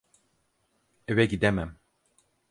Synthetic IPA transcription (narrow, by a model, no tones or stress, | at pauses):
evɛɟid̪ɛmæm